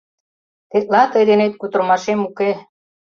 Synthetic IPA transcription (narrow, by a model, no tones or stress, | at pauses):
t̪et̪̚lɑt̪ɤjd̪enet̪̚kut̪ə̆rmɑʃemuke